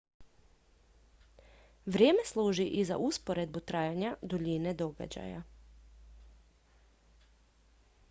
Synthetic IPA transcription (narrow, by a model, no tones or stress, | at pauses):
ʋɾʲjeːme̞slˠuːʒiʔiza̰ʔuspoɾed̪̚but̪ɾaːjaɲad̪oʎined̪o̞ɡa̰d͡ʑa̰ja̰